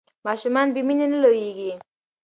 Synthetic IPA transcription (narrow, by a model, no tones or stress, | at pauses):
mɑʃumɑnbiminenəlojeɡi